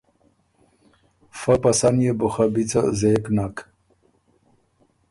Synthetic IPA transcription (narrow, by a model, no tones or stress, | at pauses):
fapɐsanjebuxabit͡sazeknak